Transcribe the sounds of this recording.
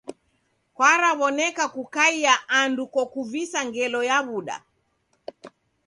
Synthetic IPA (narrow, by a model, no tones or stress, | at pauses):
kwaɾaβɔnɛkakukaiaʔandukɔkuvisaŋɡɛlɔjaβuɗa̰